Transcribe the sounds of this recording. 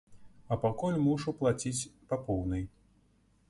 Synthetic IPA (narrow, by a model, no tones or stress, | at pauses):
ɐpakulʲmuʂuplˠat͡sʲit͡sʲpapɔwnɨj